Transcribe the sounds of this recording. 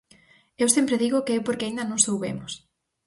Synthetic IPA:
ewsempɾeðiɣʊkeewpoɾkeaind̪ɐnõŋsowβḛmʊs

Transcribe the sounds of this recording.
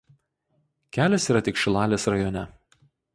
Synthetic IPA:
kʲæːlʲesiːɾɐt̪ʲɪkʃʲɪlˠɑːlʲeːsɾɐjɔːnʲɛ

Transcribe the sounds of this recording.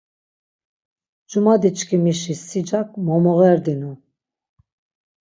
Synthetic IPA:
d͡ʒumad̪it͡ʃkʰimiʃisːid͡ʒak̚ʰʼmɔmɔʁɛɾd̪inu

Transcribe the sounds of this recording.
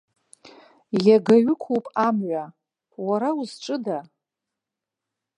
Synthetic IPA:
jaɡaɥɪkʷʰowpʼamɥʷa | waɾawuzʈ͡ʂʼɨda

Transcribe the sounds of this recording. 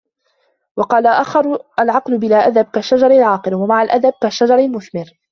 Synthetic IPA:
wɑqɑːlaʔaxɑɾˤʔalʕɑqlʊbɪlaːʔad̪ab̚kaʃːad͡ʒɑɾˤalʕɑːqɨɾwamaʕalʔad̪ab̚kaʃːad͡ʒɑɾˤalmʊθmɪɾ

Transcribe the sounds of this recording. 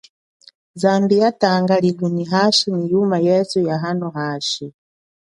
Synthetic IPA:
zambijataŋɡaliluniɦaʃinijumajɛsujaɦanɔɦaːʃi

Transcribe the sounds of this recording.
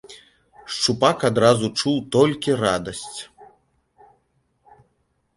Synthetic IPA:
ʂt͡ʂupakad̪ɾazut͡ʂuwt̪ɔlʲkʲirad̪ɐsʲt͡sʲ

